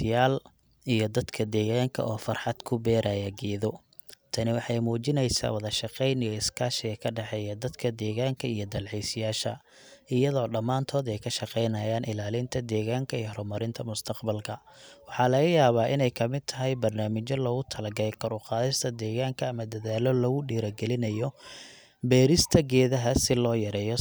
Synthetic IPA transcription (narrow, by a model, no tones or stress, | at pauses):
ɪjaːl | ijɞd̪ɐd̪kʰɐd̪ɛːɣaːŋkʰɐ̰ʔɔːfɑrħɑd̪̥kʰʊbɛːɾʔaːjɐɡɛːðɔ | t̪ʰɐnɪwɑħɑjmuːt͡ʃɪnɛjsa̰ːwɐðɐʃɑqɛjnɪjɔɪskʰaːʃɪɣɐkʰɐɖɛħɛːjɐd̪ɐd̪kʰɐd̪ɛːɣaːŋkʰɐijɞd̪ɐlʕɛjsɪjaːʃɐ̰ | ɪjɐðɔːɖɐmːaːnt̪ʰɔːd̪ɛjkʰɐʃɑqɛjnɐjaːnʔɪlaːlɪnt̪ʰɐd̪ɛːɣaːŋkʰɐijhɾɔmɐɾɪnt̪ʰɐmʊst̪ʰɐqbɐlkʰɐwɑħɑːlɐɣɐjaːβaːʔɪnɛjkʰɐmɪd̪̚t̪ʰɐɦɛjbɐrnaːmɪt͡ʃɔlɔːɣʊt̪ʰɐlɐɡɐɾɛjkʰɔɾʊqɑːðɪst̪ʰɐd̪ɛːɣaːŋkʰɐːmɐd̪ɐðaːlɔlɔɣʊɖiːɾɐɡɛlɪnɐjɔ | bɛːɾɪst̪ʰɐɡɛːðɐɦɐsɪlɔːjɐɾɛːjɔ